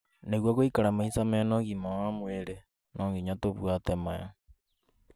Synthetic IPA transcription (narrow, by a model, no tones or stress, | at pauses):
neɣwaɣoikaɾamaisamaanɔŋɡimaamweɾe | nʔɔːŋɡiɲatoβwatɛmaja